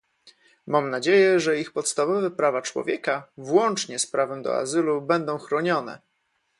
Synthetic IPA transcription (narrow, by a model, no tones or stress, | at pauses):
mamnad͡ʑejɛʐɛixpɔt̪st̪avɔvɛpɾavat͡ʂwɔ̰vʲjɛkavwɔnt͡ʂɲɛspɾavɛmd̪ɔ̰a̰zɘlubɛnd̪ɔ̃w̃xɾɔɲɔn̪ɛ̰